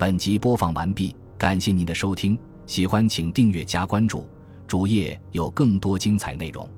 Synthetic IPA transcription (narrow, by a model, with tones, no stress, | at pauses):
pə˨˩nt͡ɕi˧˥pwɔ˥fɑ˧˥ŋwa̰˧˥npi˥˩ | ka˨˩nɕjɛ˥˩ni˨˩d̪ə˧˦ʂo˥ʊt̪ʰi˥ŋ | ɕi˨˩xwa˥nt͡ɕʰi˨˩ŋt̪i˥˧ŋɥɛ˥˩t͡ɕja˥kwa˥nʈ͡ʂṵ˥˩ | ʈ͡ʂu˧˥jɛ˥˩jo˨˩ʊkɤ˥˩ŋt̪wɔ˥t͡ɕi˥ŋt͡sʰa˨˩ɪne˥˩ɪɻʊ̰˧˩˦ŋ